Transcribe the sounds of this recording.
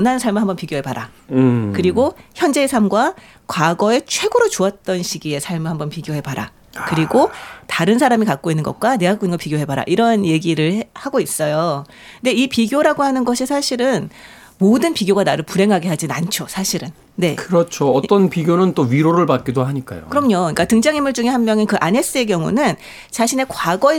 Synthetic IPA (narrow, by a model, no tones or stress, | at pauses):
ʌnɦannsʰaɭmɯɭɦambʌnpiɡjoɦe̞paɾa̰kɯɾiɡoçjʌnd͡ʑe̞ːsʰamɡwa | kwaɡʌe̞t͡ɕʰwe̞ɡoɾot͡ɕoat̚t͈ʌnɕʰiɡie̞sʰaɭmɯɭɦambʌnpiɡjoɦe̞baɾa̰ | kɯɾiɡotaɾɯnsʰaɾamikak͈̚oinːɯnɡʌ̰k̚k͈wane̞akk͈oinɡʌpiɡjoɦe̞baɾa̰ʔiɾʌnje̞ɡiɾɯɭhaɡois͈ʌjo | nde̞ipiɡjoɾaɡohanɯnɡʌɕʰisʰaɕʰiɾɯn | modɯnpiɡjoɡanaɾɯɭpuɾe̞ŋɦaɡeɦad͡ʑinant͡ɕʰosʰaɕʰiɾɯnːe̞kɯɾʌt͡ɕʰoʌt͈ʌnpiɡjonɯnt͈oɥiɾoɾɯɭpak̚k͈idoɦaɲik͈a̰jo̰kɯɾʌmɲʌɲik͈atɯŋd͡ʑaŋimuɭd͡ʑuŋe̞hammjʌŋenkɯʔane̞s͈ɯe̞kjʌŋṵnɯn | t͡ɕaɕʰine̞kwaɡʌe